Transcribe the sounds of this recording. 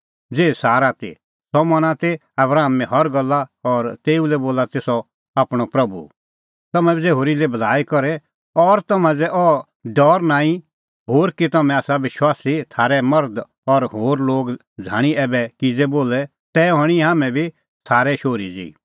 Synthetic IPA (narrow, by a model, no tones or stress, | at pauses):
d͡zeːsaːɾat̪ḭ | sɔmɐnãt̪e | ɐbɾaːmːɛ̃ɦɐɾɡɐlːaɔɾt̪eːulɛboːlat̪eːsɔ | aːpɽ̃ɔpɾɐbṵ | t̪ɐmɛ̃bʱid͡zeɦoːɾilebʱɐlaːikɔɾɛ | ɔɾt̪ɐmãd͡zɛʔɔ | ɖɔːɾnãːĩ | ɦoːɾkit̪ɐmɛ̃aːsaʋɪʃwaːsit̪ʰaːɾɛmɐɾd̪ | ɔɾɦoːɾloːɡ | d͡zʱa̰ːɽ̃iɛːbɛkid͡zɛboːlɛ | t̪ɛːɦɔɽ̃iɦaːmɛ̃bʱi | saːɾɛʃoːɾid͡zḭː